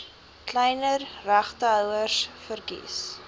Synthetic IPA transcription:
klɛjnərræχtəɦœwərsfərkḭs

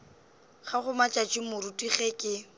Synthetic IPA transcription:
χaχʊmat͡ʃʼat͡ʃʼimʊɾutʼiχekʼɪ

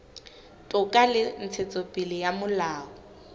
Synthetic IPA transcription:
tʼʊkʼalɪn̩t͡sʰet͡sʼopʼɪlɪjamʊlaːɔ

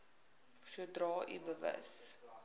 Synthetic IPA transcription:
suədrɑːʔḭbəvə̰s

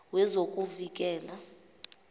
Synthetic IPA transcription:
wɛzokʼuvik̬ʼɛːla

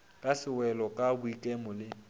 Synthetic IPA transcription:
kʼasɪwɛlɔkʼabʊikʼɛmʊlɪ

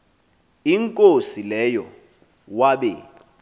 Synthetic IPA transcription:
iŋkʼosilɛjɔ | waɓɛ

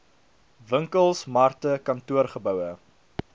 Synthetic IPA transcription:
vəŋkəlˠsmɐrtəkɐntuərχəbœwə

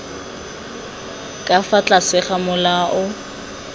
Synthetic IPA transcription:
kʼafat͡ɬʼasɪχamʊlaʔʊ

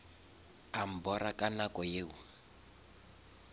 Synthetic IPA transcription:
am̩bɔɾakʼanakɔjeːu

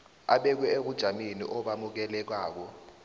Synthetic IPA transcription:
aɓɛk̬wɛek̬ud̥ʒ̥ʱaminḭʔɔɓamuk̬ɛlɛk̬aːk̬ɔ

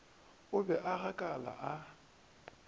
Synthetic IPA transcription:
ʊbɛʔaɣakʼala̰ʔa

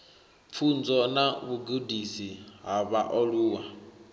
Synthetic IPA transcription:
fʰund͡zɔnaβuɡudisiɦaβaʔɔluwa

